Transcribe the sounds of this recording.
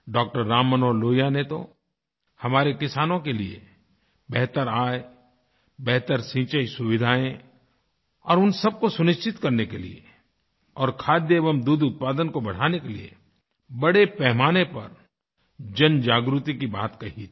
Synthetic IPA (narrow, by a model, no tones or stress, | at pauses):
ɖɔːk̚ʈəɾːaːmːənoːloːijanet̪o̰ | hɐmaːɾekɪsaːnõkeliḛ | bɛɦt̪əɾaːe | bɛɦt̪əɾsĩːt͡ʃəisʊʋɪd̪ʱaːẽ | ɔːɾʊnsɐb̚kosʊnɪʃt͡ʃɪt̪kɐɾnekelḭḛ | ɔːɾkʰaːd̪jəʋəmd̪uːd̪ʊt̪̚paːd̪ənkobɐɽ̤aːnekeliḛ | bɐɽepɛɦmaːnepɐɾ | d͡ʒɐnd͡ʒaːɡɾut̪ikiba̰ːt̪kɐɦi